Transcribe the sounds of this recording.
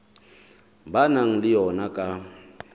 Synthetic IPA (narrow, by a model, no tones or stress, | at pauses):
banaŋ̩lɪjɔnakʼa